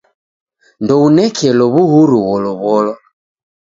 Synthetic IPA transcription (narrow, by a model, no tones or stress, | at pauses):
ndɔunɛkʰɛlɔβuɦuɾuwɔlɔβɔlɔ